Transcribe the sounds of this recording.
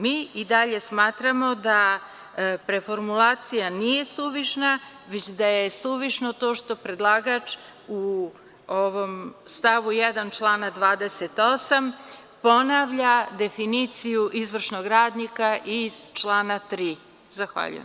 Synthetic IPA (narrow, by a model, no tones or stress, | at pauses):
miːʔid̪aʎe̞smaːt̪ɾamo̞d̪a | pɾe̞fo̞ɾmulˠaːt̪sijanije̞suʋiʃna | ʋet͡ɕd̪ajesuʋiʃno̞t̪o̞ːʃt̪o̞pɾe̞d̪lˠaːɡat͡ʃ | u | oʋo̞mst̪aʋujɛd̪ant͡ʃlˠaːnad̪ʋaːd̪eset̪o̞sam | po̞naʋʎad̪e̞finit̪sijuʔizʋr̩ʃno̞ɡɾaːd̪nikaʔiz̥t͡ʃlˠaːnat̪ɾiː | zaxʋa̰ʎṵjḛm